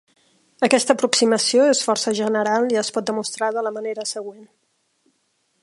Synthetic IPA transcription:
əkɛst̪əpɾuksiməsioesfɔrsəʒənəɾalˠiəspɔt̪̚d̪əmust̪ɾaðələməneɾəsəɣ̞wen

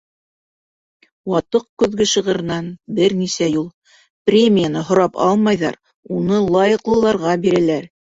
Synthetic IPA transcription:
wɑt̪ɤqkʉðɡɘ̆ʃɤ̆ʁɤ̆ɾɤ̆nɑnbɘɾnisæjulˠ | prʲemʲijanɤɦŏɾɑpɑ̰lˠmɑjðɑ̰ɾ | unɤlˠɑjɤ̆qlˠɤ̆lˠɑɾʁɑbiɾælæɾ

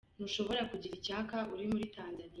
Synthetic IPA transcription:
n̥uʃo̞βo̞ɾakuɟiɾicaːkaʔuɾimuɾitaːnzanij

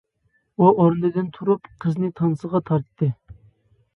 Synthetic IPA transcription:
uʔoɾnɨd̪ɪnt̪ʰuɾupqʰəznɨt̪ʰɑnsəʁɑt̪ʰɑɾt̪ʰːɨ

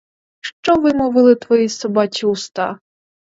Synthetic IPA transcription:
ʃt͡ʃɔʋɪmɔʋɪlˠɪt̪ʋɔjisɔbɑt͡ʃʲiʊst̪ɑ̰

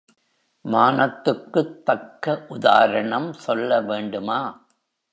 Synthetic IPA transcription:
maːnɐt̪ːɯkːɯt̪ːɐkːɐʔʊða̰ːɾɐɳɐmsɔlːɐʋeːɳɖɯmaː

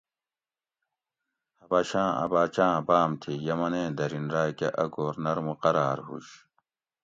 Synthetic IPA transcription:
hɐbaːɕãːɐ̰baːt͡ɕãːbaːmt̪ʰijɐmɐnẽːd̪ɐɾinɾaːkeʔɐɡoːɾnɐɾmuqɐɾaːɾɦṵɕ

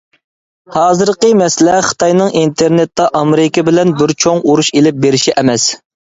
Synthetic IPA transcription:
hɑːzɨɾqəmɛslɛχə̥t̪ʰɑjnɨŋʔint̪ʰeɾnet̪ːɑʔɑmeɾɪkʲɪbɪlɛnbɪɾt͡ʃʰoŋuɾuʃelɪp̚beɾɪʃiʔɛmɛs

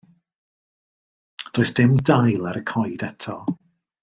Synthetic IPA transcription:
d̥oːɨsd̥ɪmdajlˠaɾəkʰɔjdɛtʰɔ

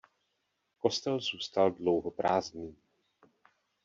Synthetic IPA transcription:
ko̞st̪ɛlzuːst̪aldlowɦopɾaːzniː

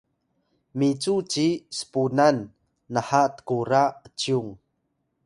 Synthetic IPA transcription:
mit͡sut͡sisə̥punanː | əhat̪ə̥kuɾaət͡ɕiuŋ

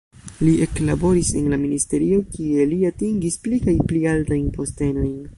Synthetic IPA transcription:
lie̞klabo̞ɾisenlaministe̞ɾio̞kie̞liatiŋɡisplikajplialtajnpo̞ste̞no̞jn

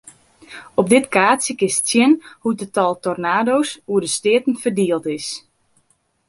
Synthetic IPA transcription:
ɔp̚dɪtkaːtsjəkɪssjɪnhut̚dətɔlˠtɔrnaːdowsuədəstɪətən̩fərdiəlˠtɪs

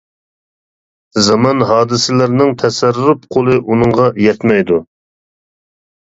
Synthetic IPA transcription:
zɑmɑnɦɑːd̪ɨsɪlɪɾnɪŋt̪ʰɛsɛɾupqʰolˠɨʔunɨŋʁɑjɛt̪mɛjd̪u

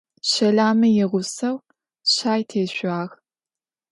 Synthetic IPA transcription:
ɕɐɮaːmɐjɪʁʷʊsɐw | ɕaːjtʰeːɕʷaːɣ

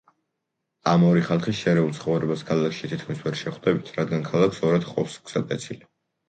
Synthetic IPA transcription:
amɔɾiχalˠχisʃɛɾɛult̪sʰχɔvɾɛbaskʰalˠakʰʃit̪ʰit̪̚ʰkʰmisvɛɾʃɛχwd̪ɛbit̪ʰɾad̪ɡankʰalˠakʰsɔɾad̪̥χqʼɔ̰psɡz̥at̪ʼɛt̪sʰili

